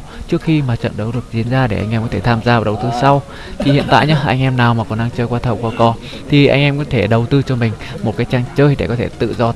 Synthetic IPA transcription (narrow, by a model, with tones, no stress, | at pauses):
t͡ɕɨ˦˥əkxi˧maː˨˩t͡ɕə̰˧˨nɗə˨˦wɗɨ˨˩ək̚zi˧˦ənzaː˧ɗe˧˩ʔa̰˧jŋ̟ʔɛ˧mkɔ˨˦t̪ʰe˧˩t̪ʰaː˧mzaː˧˨˩ɗə˨˩wt̪ɨ˧sa˧w | t̪ʰi˨˩hḭ˧˨ənt̪a̰ː˧˨jɲə˦˧ʔa̰˧jŋ̟ʔɛ˧mnaː˨˩wmaː˨˩kɔ˨˩nɗaː˧ŋt͡ɕəː˧jkwaː˧t̪ʰə˨˩wkwaː˧˦kɔ˧ | t̪ʰi˨˩ʔa˧jŋ̟ʔɛ˧mkɔ˨˦t̪ʰe˧˩ɗə˨˩wt̪ɨ˧t͡ɕɔ˧mï˨˩ŋ̟mo˨˩t̚kaː˨˦jt͡ɕaː˧ŋt͡ɕəː˧jɗe˧˩kɔ˨˦t̪ʰe˧˩t̪ɨ̰˧˨zɔ˧